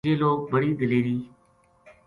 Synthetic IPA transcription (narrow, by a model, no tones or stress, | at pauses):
eːloːk̚bəɽiːd̪ɪliːɾiː